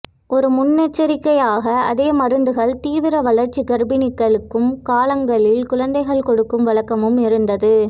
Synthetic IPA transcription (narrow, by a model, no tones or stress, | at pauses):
ɔɾɯmʊnːɛt͡ʃːɐɾɪkːɐjaːɣɐɐðeːmɐɾɯnd̪ɯɣɐɭt̪iːʋɪɾɐʋɐɭɐɾt͡ʃːikɐɾbɪnɪkːɐɭɯkːɯmkaːlɐŋɡɐɭɪlkʊɻɐnd̪ɐɪɣɐɭkɔɽɯkːɯmʋɐlɐkːɐmɯmɪɾɯnd̪ɐðɯ